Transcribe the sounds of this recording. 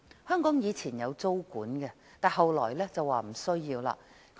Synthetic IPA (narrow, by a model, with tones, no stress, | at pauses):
hœː˥ŋkɔː˨˥ŋjiː˨˧t͡sʰiː˨˩njɐ˨˧wt͡so˥wkuː˨˥nkɛ˧ | t̪aː˨˩hɐ˨wlɔ̰ː˨˩jlɛː˥t͡sɐ˨wːaː˨m̩˨˩sɵ˥ɥjiː˧wla̰ː˧ | k